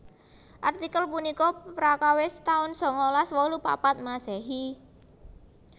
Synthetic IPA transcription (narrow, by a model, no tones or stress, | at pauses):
ʔart̪ikəlpunikɔpɾakawɪst̪aʊnsɔ̤ŋolaswɔlupa̰pat̪̚masɛɦi